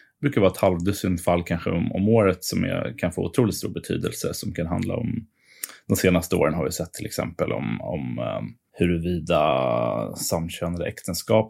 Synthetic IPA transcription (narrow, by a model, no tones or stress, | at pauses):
bɾʉ̟ːkaɾvɑːɛt̪halvd̪ɵsɪnfalːkʰanɧəɔmɔmoːɾət̪sɔm̰kʰanfoːʊt̪ʰɾuːlɪt̪st̪uːɾbɛt̪ʰy̰ːd̪əlsəsɔmkʰanɦa̰nd̪la̰ɔm | d̪̥ɔnseːnast̪əo̰ːɾənɦaɾvɪsɛt̪ʰːɪlɛksɛ̰mpəlɔ̰mɔ̰m | hɵɾɛviːd̪a̰ | samːɕøːnad̪əʔɛkt̪ʰənskɑːp̚